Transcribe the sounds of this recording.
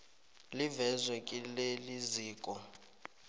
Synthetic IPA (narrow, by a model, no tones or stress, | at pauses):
livɛzwɛkʼileliziːkʼɔ